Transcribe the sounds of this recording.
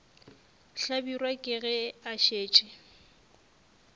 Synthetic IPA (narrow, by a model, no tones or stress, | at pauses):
ɬabirwakʼɪɣɛaʃeːt͡ʃʼɪ